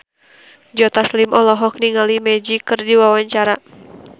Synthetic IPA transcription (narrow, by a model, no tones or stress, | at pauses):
d͡ʒɔt̪aslimʔɔlɔɦɔk̚niŋalimɛd͡ʒikɨrdiwawaɲt͡ʃaɾa